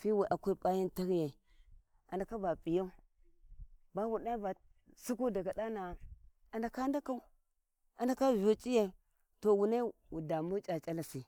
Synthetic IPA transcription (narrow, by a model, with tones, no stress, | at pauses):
fi˦wu˨ʔa˨ku˦ɾpʼa˦ji˦nta˦ɾi˦ja˨ | a˨nda˨ka˦ba˨pi˨ja˦u˦ | ba˦wu˨na˦i˦ba˨ | su˦ku˦da˨ɡa˨da˦na˨ | a˨nda˨ka˦nda˦ka˦u˦ | a˨nda˨ka˦vo˨t͡ʃʼi˦je˨ | to˨wu˨na˦wu˨da˨mu˦t͡ʃʼa˨t͡ʃʼa˦la˨si˨